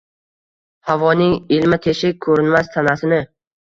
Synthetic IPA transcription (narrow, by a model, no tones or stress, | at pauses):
havɒnɪŋɪlmɪt̪ʰeʃɪkʰɵɾɪnmast̪ʰanasɪnɪ